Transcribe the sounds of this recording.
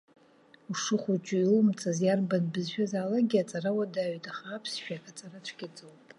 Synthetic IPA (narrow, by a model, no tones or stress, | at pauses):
uʂɨχʷut͡ʃʼʊilmt͡sʰazjarbanbɨzʃᶣazaːlaɡʲiat͡sʼarawadaɥtʼaχaːpʰsʃᶣakʼat͡sʼarat͡ʃʷʰɡʲit͡sʼɨwpʼ